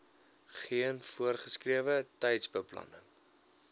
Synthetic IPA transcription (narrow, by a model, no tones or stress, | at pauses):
χiənfuərχəskriəvətɛjtsbəplɐ̰nə̰ŋ